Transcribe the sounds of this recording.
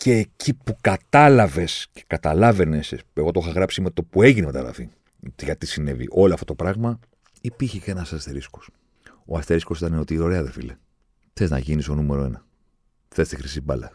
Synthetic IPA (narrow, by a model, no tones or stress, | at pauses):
ce̞ːcipukɐt̪ɐlɐve̞sce̥kɐt̪ɐlɐve̞ne̞seeɣo̞t̪oxɐɣɾɐpsime̞t̪o̞pue̞ʝinemet̪ɐ̰ɣɾɐ̰fi | ʝɐt̪isine̞vḭʔo̞loɐft̪ot̪opɾɐɣmɐ | ipiɾçecenɐsɐst̪e̞ɾisko̥s | o̞ɐst̪e̞ɾisko̞sit̪ɐneo̞t̪iːo̞ɾe̞ɐðefḭle | θe̞znɐ̰ʝinist̪o̞nume̞ɾoe̞nɐ | θe̞st̪exɾisibɐlɐ̰